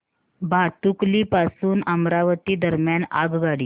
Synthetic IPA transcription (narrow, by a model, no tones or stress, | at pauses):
bʱat̪ukliːpasuːnəmɾaʋət̪iːd̪əɾmjaɳa̰ɡɡaɽiː